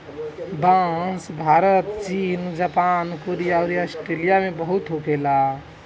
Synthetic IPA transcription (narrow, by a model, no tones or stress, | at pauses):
bãsbʱaɾət̪t͡ʃiːnd͡ʒapankoɾijaɾiasʈɾelijamebəɦut̪ɦokela